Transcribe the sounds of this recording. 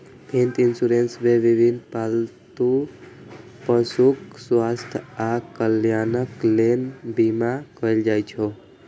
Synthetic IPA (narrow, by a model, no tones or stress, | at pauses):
bʱint̪insuɾensmeʋibʱinpalt̪u | pəsukswast̪ʰakəljanəklenbimakəjld͡ʒajt͡ʃʰo